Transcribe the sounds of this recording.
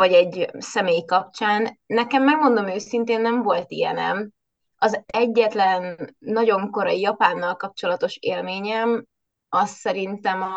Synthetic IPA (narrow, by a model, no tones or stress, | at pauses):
ɒɟɛɟsɛmeːjkɒpt͡ʃaːnːɛkɛmːɛɡmo̞nd̪o̞møːsint̪eːnːɛɱvo̞lt̪ijɛ̰nɛ̰m | ɒzɛɟːɛt̪lɛnːɒɟo̞ŋko̞ɾɒjijɒpaːnːɒlkɒp̚t͡ʃo̞lɒt̪o̞ʃeːlmeːɲɛm | ɒsːɛɾint̪ɛmɒ